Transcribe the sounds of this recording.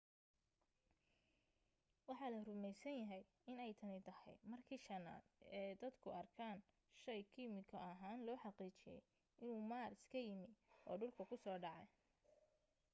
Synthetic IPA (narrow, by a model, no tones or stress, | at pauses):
wɑħɑːlɐrʊmɛjsɐnjɐɦɛj | ɪnɛjt̪ʰɐnɪt̪ʰɐhɛ̰jmɐrkʰiːʃɐna̰ːd̪ɛːd̪ɐd̪kʰʊɐrkʰaːn | ʃɐjkʰimɪkʰɐɐɦaːnlɔːħɑqiːt͡ʃɪjɛ̰j | ɪnuːmaːrɪskʰɐjɪmɪʔɔ̰ːɖʊlkʰɐkʰʊsɔːɖɑʕɛ